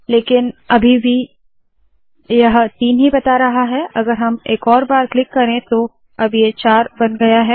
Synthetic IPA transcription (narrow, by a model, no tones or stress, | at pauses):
leːkɪnɐbʱibʱi | jɐɦt̪iːnɦibɐt̪aɾɐɦaɦɛʔɐɡəɾɦɐmeːkɔːɾbaːɾklɪkːɐɾẽt̪o | ɐbʱjet͡ʃaːɾbɐnɡɐjaɦɛː